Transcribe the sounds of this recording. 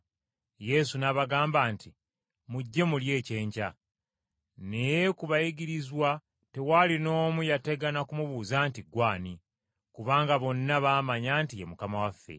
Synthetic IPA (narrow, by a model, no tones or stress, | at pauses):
je̞sunaβaɡaːmbaːnti | muɟːe̞mulje̞ːce̞ːɲca̰ | ne̞je̞kuβajiɡiɾizwa | te̞walino̞ːmujate̞ɡanakumuβuzaːntiɡwaːni | kuβaːŋɡaβo̞nːaβaːmaɲaːntijemukamawafːḛ